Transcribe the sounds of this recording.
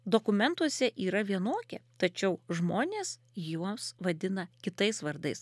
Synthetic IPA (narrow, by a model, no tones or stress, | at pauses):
d̪oːkʊmʲɛnt̪uɔsʲɛʔiːɾɐʋʲiɛnoːkʲɛ̰t̪ɐt͡ʃʲɛʊʒmoːnʲeːs | juɔmsʋɐd̪ʲɪnɐkʲɪt̪ɐɪsʋɐɾd̪ɐɪs